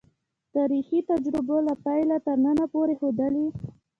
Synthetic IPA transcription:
t̪aɾixit̪ad͡ʒɾɪbolapajlat̪əɾnənapoɾexod̪əli

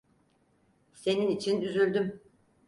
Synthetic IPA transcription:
se̞ninit͡ʃʰinyzylʲd̪ym

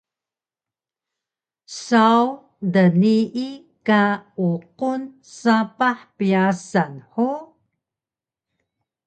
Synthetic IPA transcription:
saw | dəniʔi | kauqun | sapaħpiasanħu

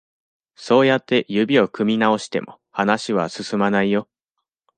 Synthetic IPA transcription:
so̞ːjat̪ːe̞jɯ̟bʲio̞kɯ̟mʲinao̞ɕi̥t̪e̞̰mo̞ | hanaɕiβ̞a̰sɨsɨmanaijo̞

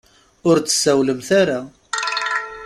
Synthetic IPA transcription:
ʊɾt͡sə̥sːæwləmθaɾa

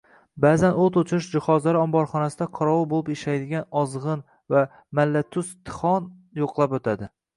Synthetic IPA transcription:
baːzanot̪ot͡ʃ̪ʰʊɾɪʃd͡ʒɪχɒzlaɾɪɒmbɒɾχɒnasɪd̪aqʰɒɾɒwɪbolˠɪpeʃajd̪ɪɡʲanɒzʁɨn | va | malːat̪ʰʊst̪ʰɨ̥χɒnjoqlˠapot̪ʰad̪ɪ

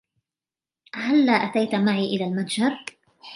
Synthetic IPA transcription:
halːaːʔat̪ajt̪maʕiːʔɪlaːlmad̪d͡ʒaɾ

